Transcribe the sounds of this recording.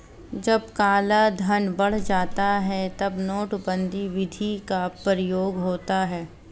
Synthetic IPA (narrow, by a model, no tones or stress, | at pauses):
d͡ʒɐb̚kaːlad̪ʱɐnbɐɽ̤d͡ʒaːt̪aɦɛt̪ɐbnoːʈbə̃nd̪ʱiʋɪd̪ʱikapɾəjoːɡɦoːt̪aɦɛː